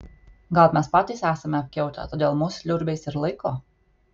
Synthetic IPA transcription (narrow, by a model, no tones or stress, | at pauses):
ɡɐlˠpmʲɛspɑːt̪ʲiːˑsæːsɐmʲɛɐp̚ʲkʲɛʊt̪ʲɛ̰t̪oːd̪ʲeːlˠmʊslʲʊɾʲbʲɛɪsɪɾlˠɐɪkoː